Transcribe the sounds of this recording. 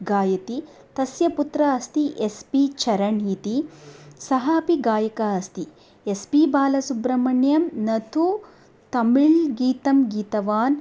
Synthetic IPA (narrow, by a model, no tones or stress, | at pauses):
ɡaːjɐt̪i | t̪ɐsjɐput̪ɾɐɐst̪iʔespit͡ʃʰɐɾɐɳit̪isɐɦaːpiɡaːjɐkaɐst̪i | espibaːlɐsubɾɐmɐɳjɐmnɐt̪ʰu | t̪ɐmiɭɡiːt̪ɐmɡiːt̪ɐʋaːn